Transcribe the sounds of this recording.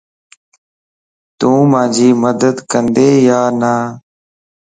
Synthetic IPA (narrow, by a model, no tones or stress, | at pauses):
t̪ũːmãːd͡ʒʱiːməd̪əd̪kənd̪eːjaːnaː